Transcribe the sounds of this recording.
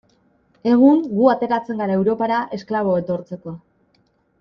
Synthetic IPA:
e̞ɣ̞uŋɡuat̪e̞ɾat͡se̞ŋɡaɾaewɾo̞paɾaʔe̞sklaβ̞o̞e̞t̪o̞ɾt͡se̞ko̞

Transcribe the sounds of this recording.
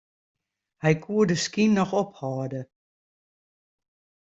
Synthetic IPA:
hɛjkʰuədəskinːɔxɔphɔːdə

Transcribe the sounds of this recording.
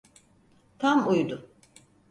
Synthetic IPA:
t̪ʰamujd̪ʊ

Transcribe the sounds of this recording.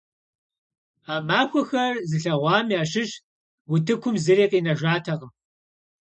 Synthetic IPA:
aːmaːxʷɔxɐrzɨɬɐʁʷɑːmiaːɕɪʒ | wʊtʰɨkʷʰʊmzɨreːqʼiːnɐʒʷaːtʰɐʁɐm

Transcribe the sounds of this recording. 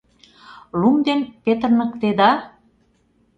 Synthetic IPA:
lumd̪enpet̪ərnə̆kt̪ed̪ɑ

